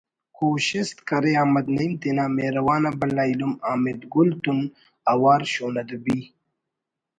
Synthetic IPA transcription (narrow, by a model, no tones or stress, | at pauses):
koːɕɪst̪kɐɾeaːmɐd̪nɐimt̪enaːmeːɾɐwaːnabɐlaːilumaːmɪd̪ɡʊlt̪un | awaːɾɕoːnɐd̪ubi